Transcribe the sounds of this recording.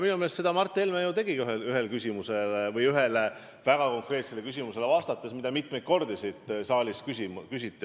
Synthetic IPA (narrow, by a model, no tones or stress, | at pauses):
minumest̪se̞d̪ɑmɑrt̪ˑːelmæjut̪e̞ɡ̥iɡyɦelyɦe̞lkysʲimuse̞lvɤjyɦe̞le | væɡ̥ɑko̞ŋkre̞ːt̪se̞lekys̬ʲimuse̞levɑːst̪ɑt̪ːˑesmid̪ɑmit̪ˑme̞jd̪̥̚ko̞rd̪̥isid̪̥sɑːlʲiskysikysit̪ːˑi